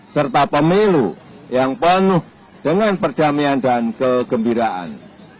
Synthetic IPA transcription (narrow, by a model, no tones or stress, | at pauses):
sərt̪apəmilṵ | jaŋpənʊh | d̥əŋanpərd̥amiandankəɡ̥əmbiɾaʔa̰n